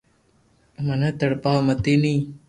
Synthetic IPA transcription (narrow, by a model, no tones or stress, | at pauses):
mənət̪əɽpaːmət̪ini